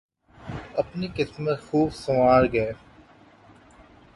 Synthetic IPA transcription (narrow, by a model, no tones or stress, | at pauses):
ɐpnikɪsmət̪xuːbsɐʋaːɽɡɐe